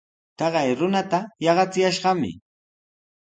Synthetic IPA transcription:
t̪ɑɢɑjɾʊnat̪ajɑɢɑt͡sɪjaʃɢɑmɪ̰

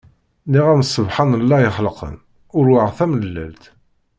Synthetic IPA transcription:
niʁæməsˤːəvħanəlːæjəχəlqə̰n | ʊɾwaʁθæmnlːælt̪

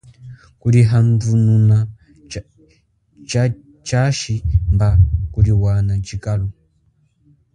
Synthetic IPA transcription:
kuɾiɦandununa | t͡ʃa | t͡ʃaʃimbakuɾiwanat͡ʃikalɔ

